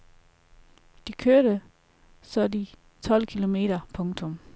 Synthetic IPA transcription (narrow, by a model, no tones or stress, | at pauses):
d̥ikʰøɐɾə | sɒdi | t͡sʰɒ̽l̰kʰilo̝me̝̰ːɾɐpʰɔ̽ŋt͡sʰɔ̽m